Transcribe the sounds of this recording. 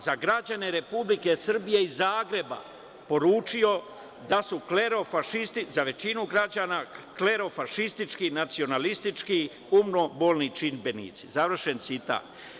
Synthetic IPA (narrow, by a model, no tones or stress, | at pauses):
zaɡɾad͡ʑane̞ɾe̞publike̞sr̩bije̞izaːɡɾe̞ba̰ | po̞ɾuːt͡ʃijo̞ | d̪asukleɾofaʃist̪izaʋe̞t͡ɕinuɡɾad͡ʑaːnakle̞ɾo̞faʃist̪it͡ʃkinat̪sio̞nalist̪it͡ʃki | umno̞boːlnit͡ʃinbe̞nḭt̪sizaʋr̩ʃe̞nt̪sit̪a̰ːt̪